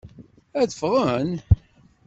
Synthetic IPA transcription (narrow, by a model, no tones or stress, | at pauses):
æðəfʁən